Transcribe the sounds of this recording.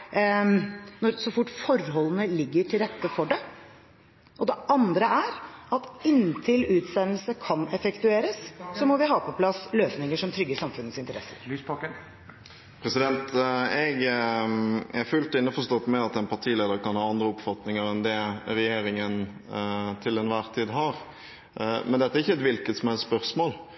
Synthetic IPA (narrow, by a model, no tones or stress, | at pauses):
nɔɾsɔfʊʈːfɔɾhɔlːənəlɪɡːəʈʰɪlɾɛt̪ːəfɔɖɛ | ʔɔd̪ɛʔɑnd̪ɾəæɾɑt̪ɪnt̪ʰɪlʉːt̪sɛnəlsəkʰɑnɛfəkt̪ʉeːɾəssɔmɔʋɪɦɑːpʰɔpʰlɑsløːsnɪŋəʂɔmt̪ʰɾʏɡːəsɑmfʉnːət̪sɪnt̪əɾɛsːə̰ɾspɑk | pʰɾɛsɪd̪ɛnt̪ɛɡ | æɾfʉlt̪ɪnːəfɔʂt̪ɔt̪ːmɛɑt̪ɛnpʰɑʁʈ̪ʰiːleːd̪əɾkɑnhɑːɑnd̪ɾəʊpfɑt̪nɪŋəɾɛnd̪ɛɾɛjeːɾɪŋən | t̪ʰɪlɛnʋæːʁt̪ʰiːd̪ɦɑɾ | mɛnd̪ɛt̪ːæɾɪçːəɛt̪ʋɪlkət̪sɔmɛɛt̪spœʁsmoːl